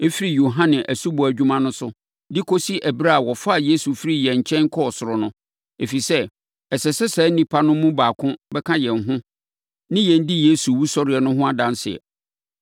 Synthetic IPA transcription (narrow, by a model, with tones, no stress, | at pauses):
e˦fi˦ɾi˨jo˨ɦã˦nɪ̃˨ʔæ˨su˦bɔ˨æ˨d͡ʑᶣu˦mã˦nʊ̃˦sʊ˦ | dɪ˦kʰo˦si˦ʔæ˨bɾa˦a˨wɔ˨fa˦a˨je˦su˨fi˦ɾi˨jɛ̃˨ɲ˨t͡ɕʰɛ̃˦ŋ˦kʰɔ˦ɔ˨sʊ˨ɾɔ˨nʊ̃˦ | e˨fi˨sɛ˦ | ɛ˨sɛ˨sɛ˦sɛː˨˦n̩˦nĩ˨pʰa˦nʊ̃˦mũ˦baː˨kʰʊ̃˦bɛ˦kʰã˦jɛ̃˨nɦʊ̃˦ | nɪ̃˦jɛ̃˨n˦dɪ˦je˦su˨wu˦sɔ˦ɾɪ˨ɛ˨nʊ̃˦ɦʊ̃˦a˦dã˦n˦sɪ˨ɛ̰˨